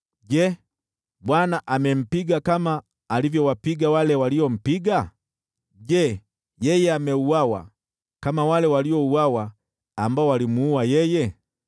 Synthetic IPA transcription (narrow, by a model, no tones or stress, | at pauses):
ɟɛ | ɓwanaʔamɛm̩piɡakamaː | livjɔwapiɡawalɛwaliɔm̩piɡa | ʄɛ | jɛjɛamɛuwawa̰ | kamawalɛwaliɔuwawaː | mbaɔwalimuuwajɛjɛ